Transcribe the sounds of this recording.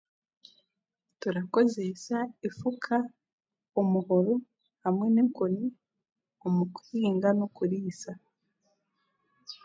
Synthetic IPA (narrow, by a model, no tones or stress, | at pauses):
tuɾako̞ze̞saifukʰa | omuhoɾo | hamŋe̞neŋkoni | omukuhiːŋɡanokuɾiːsa